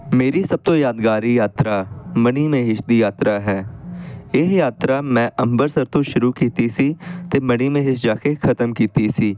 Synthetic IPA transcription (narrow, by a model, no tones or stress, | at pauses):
meːɾiːsəb̚t̪õːjaːd̪ɡaːɾiːjaːt̪ɾaːməniːmẽːɦɪʃd̪iːjaːt̪ɾaːɦɛː | ɪɦjaːt̪ɾaːmɛ̃ːʔəmbəɾsəɾt̪õːʃʊɾuːkiːt̪iːsiːt̪eːməɽ̃iːmẽːɦɪsd͡ʒaːkeːkʰət̪əmkiːt̪iːsiː